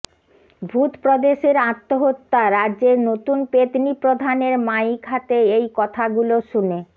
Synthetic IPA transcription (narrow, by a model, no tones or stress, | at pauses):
bʱut̪pɾod̪eʃeɾat̪ːoɦot̪ːaɾaʑeɾnot̪unpet̪nipɾod̪ʱaneɾmajkʰat̪eejkɔt̪ʰaɡuloʃune